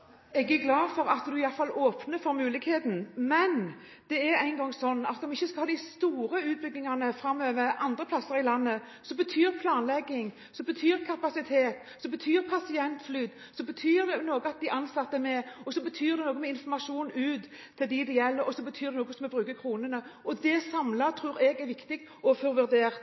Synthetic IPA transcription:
ɛɡæɡlɑːd̪fɔɾɑt̪d̪ʉɪjɑlfɑloːpnəfɔɾmʉːlɪɡheːt̪n̩mɛn | d̪̥ɛæɾæɪŋɡɔŋːsɔnːɑt̪ɔmɪçːəskɑhɑːd̪ɪst̪uːɾəʉːt̪̚bʏɡnɪŋɑnəfɾɑmːøːʋəɾɑnd̪ʁəpʰlɑsːəɾɪlɑnːə | sɔbət̪ʰyːɾpʰlɑːnlɛɡːɪŋ | sɔbət̪ʰyːɾkʰɑpɑsɪt̪ʰeːt̪ | sɔbət̪ʰyːɾpʰɑsɪɛnt̪flyːd̪ | sɔbət̪ʰyːɾd̪ɛnoːɡəɑt̪̚d̪ɪʔɑnsɑt̪ːəmɛɔsɔbət̪ʰyːɾd̪ɛnoːɡnmɛɪnfɔmɑʂuːnʉːt̪ʰː | ɪld̪ɪd̪ɛjɛlːəɾɔsɔbət̪ʰyːɾɛnoːɡəsɔmɛbɾʉːkəkʰɾuːnənəɔd̪ɛsɑmlɑt̪ʰɾʉːɾɛɡæɾʋɪkt̪ɪɡ | ɔfɔɾʋʉɾd̪eːɾ

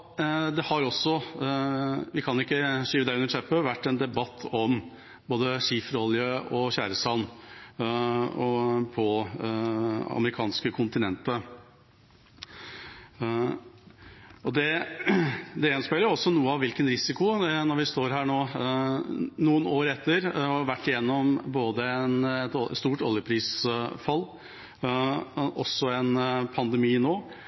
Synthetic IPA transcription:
d̪ɛhɑɾɔsːɔ | ʋɪkʰɑnʊɪkːəʂiːʋəd̪æɪʉnːəʂʰɛpːəʋæʈːɛnd̪ɛbɑt̪ʰːɔm | boːd̪əʂiːfɾɔljəɔçæːɾəsɑlnː | pʰɔ | ɑ̰məɾɪkʰɑːnskəkʰʊnt̪ɪnɛnt̪ə | ɔd̪ɛ | d̪ɛɛnspeləjʊɔsːɔnuːəɑʋɪlkənɾɪsɪkʊnɔɾʋɪst̪oːɾɦæːɳoː | nuːənoːɾɛt̪ːəɾɔʋæʈːɪjɛnːɔmboːd̪əɛnɛt̪st̪uːʈɔljəpʰɾiːsfɑlː | ʔɔsːɔɛnpʰɑnd̪ɛmiːnoː

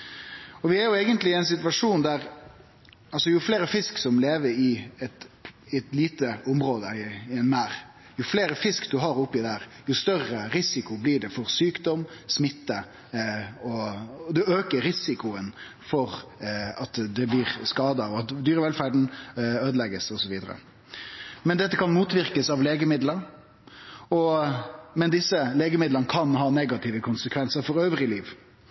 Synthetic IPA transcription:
ɔʋɪæɾjʊɛɡənt̪lɪɛɪnsɪt̪ʉʋɑʂuːnd̪æɾ | ɑlsɔjʊfleːɾəfɪsksɔmleːʋəɾɪɛt̪ɪɛt̪liːt̪əʊmɾoːd̪əɪɛnmæːɾ | jʊfleːɾəfɪskd̪ʉɦɑɾʊpːɪd̪æɾjʊst̪œrəɾɪsɪkʊblɪːɖɛfɔɾsyːkd̪ɔmsmɪt̪ːə | ɔd̪ʉøːkəɾːɪsɪkʊən | fɔɾɑt̪d̪ɛblɪɾskɑːd̪ɑɔɑt̪d̪yːɾəʋɛlfæɖɳ̩øːd̪əlɛɡəsɔsɔʋiːd̪ə̰ɾə̰ | mɛnd̪ɛt̪ːəkʰɑnmuːt̪ʋɪɾkəsɑʋleːɡəmɪd̪ləɾ | ɔ | mɛnd̪ɪsəleːɡəmɪd̪lənəkʰɑnɦɑːneɡɑt̪ʰɪiːʋəkʰʊnsəkʰʋɛnsəɾfɔɾøːʋɾɪliːʋ

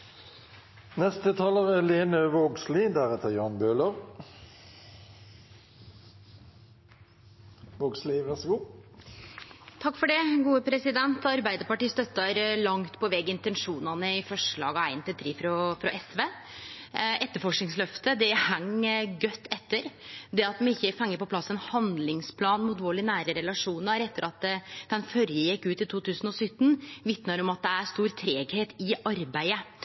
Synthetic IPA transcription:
nɛst̪ət̪ʰɑːləʁɛleːnəʋoːɡslɪd̪æʁɛt̪ʰəjɑːnbøːləʁ | ʋoːɡslɪʋæʁsəɡuː | t̪ʰɑkːfɔɖɛɡuːəpʰɾɛsɪd̪ɛnt̪ɑɾbæɪd̪əɾpɑʈiːst̪œt̪ːɑɾlɑŋt̪pʰɔʋɛɡɪnt̪ɛnʂuːnɑnəɪfɔʂɭɑ̰ːɡɑæɪnt̪ɪlt̪ʰɾiːfɾɔfɾɑʔɛsʋeː | ɛt̪ːəɾfɔʂknɪŋslœft̪əd̪ɛhæŋːɡœt̪ːɛt̪ːəɾd̪ɛɑt̪mɛɪçːəfɑŋːəpɔplɑsːənhɑnd̪lɪŋspʰlɑːnmʊt̪ʋoːɭɪnæːɾəɾɛlɑʂuːnəɾɛt̪ːəɾʔɑt̪d̪̥ɛnfœɾjəjɛkːʉːt̪ɪt̪ʰuːt̪ʰʉːsən̩ɔsʏt̪ːn̩ʋɪt̪nəɾɔmɑt̪̚d̪ɛæɾst̪uːɾt̪ʰɾeːɡheːt̪ɪʔɑɾbæɪə

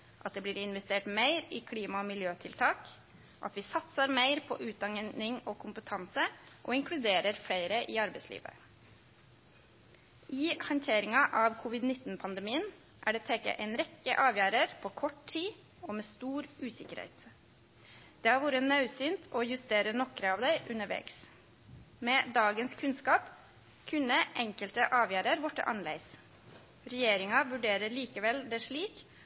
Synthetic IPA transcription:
ʔɑt̪̚d̪ɛːbliːɾɪnʋɛst̪eːʈmeɪɾiːkʰɽiːmɑɔmɪljøːt̪ʰɪlt̪ʰɑːk | ʔɑ̰t̪ʋɪsɑt̪səɾmeɪɾpʰɔ̰ːʔʉːt̪̚d̪ɑŋnɪŋoːkʰʊmpət̪ʰɑnsəʔoːɪŋkʰɽʉd̪eːɾəɾfɽeɪɾəʔɪːɑɾbæɪslḭːʋə̰ | ʔɪːhɑnt̪ʰeːɾɪŋɑʔɑʋkʰʊʋɪd̪nɪt̪ːn̩pʰɑnd̪əɛmiːən | ʔæ̰ːɖɛːt̪ʰeːkə̰ʔɛɪnɾɛkːə̰ʔɑːʋjæːɾəɾpʰoːkʰɔʈtʰiː | oːmeːst̪uːɾʉːsɪkəɾhɛ̰ɪt̪ | d̪̥eːhɑːɾʋuːɾənɑʉsyːnt̪ʰoːjʉst̪eːɾənɔkɾəɑːʋd̪æɪʔʉnəʋḛːks | meːd̪ɑːɡənskʰʉnskɑːp | kʰʉnəʔɛŋkəlt̪əʔɑːʋjæːɾəɾʋɔʈːə̰ʔɑ̰nlḛɪs | ɾɛjeːɾɪŋɑʋʉɖeːɾəɭiːkəʋɛld̪ɛʂɭiːk

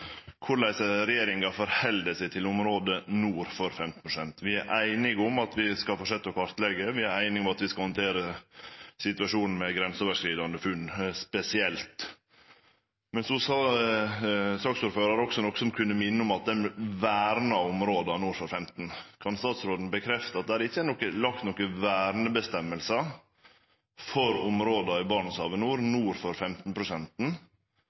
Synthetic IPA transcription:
kʰʊɾlæɪsəɾɛjeːɾɪŋɑfɔɾhɛld̪əsæɪt̪ʰɪlʊmɾoːd̪ənuːɾfɔɾfɛmt̪n̩pʰɾʊsɛnt̪ʋɪæɾʔæɪnɪɡʊmɑt̪ʰʋɪskɑlfɔʂɛt̪ːəɔkʰɑɾt̪lɛɡəʋɪæɾæɪnɪɡʊmɑt̪ʋɪskɑhɔnt̪ʰeːɾə | sɪt̪ʉɑʂuːnn̩mɛɡɾɛnsoːʋəʂkɾiːd̪ɑnəfʉnːspɛsɪɛlt̪ | mɛnsɔsɑ | sɑːksuːɾføːɾɑɾəɔksɔnɔkːsɔmkʰʉnːəmɪnːəʊmɑt̪̚d̪ɛnʋæːɾnɑʊmɾoːd̪ɑnuːɾfɔɾfɛmt̪n̩kʰɑnst̪ɑːt̪sɾoːd̪n̩bəkʰɾɛft̪əɑt̪̚d̪ɛæːɾɪçːəænɔkːəlɑkt̪nɔkːəʋæːɾnəbəst̪ɛmːəlsə | fɔɾʊmɾoːd̪ɑɪbɑːɳəsɑːʋənuːɾnuːɾfɔɾfɛmt̪n̩pʰɾʊsɛnt̪n̩

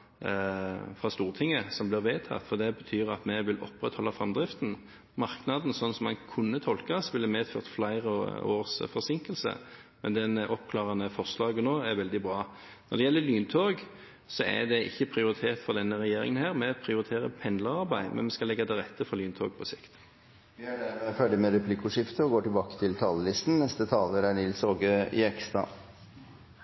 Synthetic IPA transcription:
fʁɑst̪uːʁt̪ʰɪŋːəsɔmblɪɾʋeːt̪ʰɑ̰t̪fɔʁd̪ɛbət̪ʰyːʁɑt̪mɛʋɪlɔ̰pːʁɛt̪hɔlːɑfʁɑmd̪ʁɪft̪n̩ | mɑʁknɑd̪n̩sɔnːsɔmɑ̰nkʰʉnːət̪ʰɔlkɑsʋɪlːɛmeːd̪fø̰ːʁt̪flæɪʁəoːʁsfɔʁsɪŋkəlsə̰mɛnd̪ɛnʔɔpkʰlɑːʁɑnəfɔʁslɑːɡənoːæɾʋɛld̪ɪbʁɑː | nɔʁd̪ɛjɛlːəlyːnt̪ʰoːɡ | sɔæ̰d̪ɛʔɪ̰çːəpʰʁɪʊɾɪt̪ʰeːt̪fɔʁd̪ɛnːəʁɛjeːɾɪ̰ŋənɦæːʁmɛɑt̪pʰɾɪʊɾɪt̪ʰeːɾə̰pʰɛnd̪ləʁɑʁbæɪmʔɛ̰nmɛskɑlɛɡːɑd̪ɛɾɛt̪ːəfɔlyːnt̪ʰoːɡ̚pʰɔsɪkt̪ | ʋɪæɖæɾmɛfœljəmɛɾɛpʰlɪkʊʂɪft̪əɔɡoːʈɪlbɑːkə̥t̪ʰɪlt̪ʰɑːləlɪst̪n̩nɛst̪ət̪ʰɑːləɾænɪlsoːɡəɪɛkst̪ɾɑ̰

